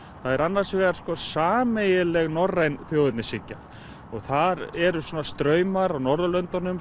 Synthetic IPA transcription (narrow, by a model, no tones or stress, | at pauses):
θaðɛɾanːḁsvɛːɣaɾ̥skɔsaːmejɪlɛɣnɔrːejnθjowʏt̪nɪsɪcːa | ɔɣθaɾɛɾʏswɔːnast̪ɾœːɥmaɾawnɔɾðʏlœnt̪anʏm